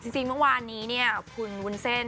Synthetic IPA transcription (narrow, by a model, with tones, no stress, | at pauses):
t͡ɕi˧ŋt͡ɕi˧ŋmɯ˥˩waː˧nːiː˦˥ni˥˩ɐkʰu˧nwu˧˥nse˥˩n